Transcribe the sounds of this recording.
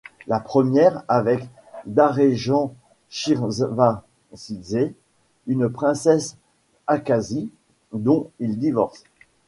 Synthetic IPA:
lapχəmjɛʁavɛk | d̪aʁeʒɑ̃ | ʃiʁzva | size | ynpχɛ̃sɛs | akazi | d̪ɔ̃ild̪ivɔʁs

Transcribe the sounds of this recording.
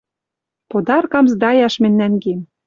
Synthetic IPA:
pod̪ɑrkɑmzd̪ɑjɑʃmɘ̆nːænɡem

